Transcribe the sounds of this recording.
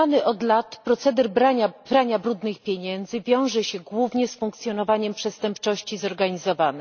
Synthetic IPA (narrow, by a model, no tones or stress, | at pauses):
anɘʔɔd̪lat̪pɾɔt̪sɛd̪ɛɾbɾaabɾaɲabɾud̪nɘxpʲjeɲɛnd̪zɘvʲjɔ̃w̃ʐɛɕɛɡwuvɲɛsfuŋk̚t̪sʲjɔnɔvaɲɛmpʂɛst̪ɛmpt͡ʂɔɕt͡ɕizɔɾɡaɲizɔvanɛ